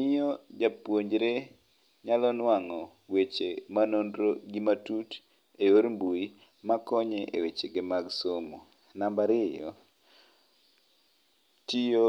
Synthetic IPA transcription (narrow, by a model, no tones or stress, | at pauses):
nɪjɔd͡ʒapwoɲd͡ʒɾe | ɲalɔnwaŋɔ | wet͡ʃemanondɾoɡimatut | eoɾmbui | makɔɲɛʔḛwet͡ʃeɡɪmaɡsomo | nambaɾɪjɔ̰ | tijo